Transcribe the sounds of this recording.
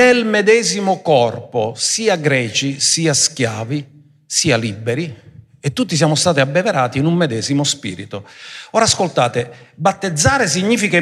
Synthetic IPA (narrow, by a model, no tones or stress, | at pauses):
elmɛd̪ɛːzimʊkɔrposiːaɡɾɛːt͡ʃisiːaskjaːvi | siːalibːeɾi | et̪ːut̪ːis̬jaːmʊst̪aːt̪iabːɛveɾaːt̪iːnumːɛd̪ɛːzimʊspḭːɾḭt̪ʊɔːɾaskolt̪aːt̪ɪbat̪ːed̪zːaːɾɪs̬iɲːiːfike